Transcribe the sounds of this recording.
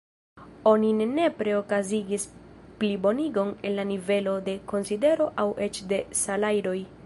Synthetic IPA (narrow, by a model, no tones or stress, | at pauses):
o̞ninne̞pɾe̞o̞kaziɡisplibo̞niɡo̞ne̞nlanive̞lo̞de̞ko̞nside̞ɾo̞ʔawʔe̞t͡ʃde̞salajdo̞j